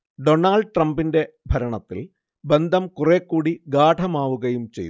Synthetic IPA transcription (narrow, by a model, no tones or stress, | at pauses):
ɖo̞naːɭɖʈrɐmbinde̞ | bʱɐɾɐɳɐt̪ːḭl | be̞nd̪ʱɐmkureːkːuːɽiɡaːʈʰɐmaːʋuɣɐjumt͡ɕe̞̰jn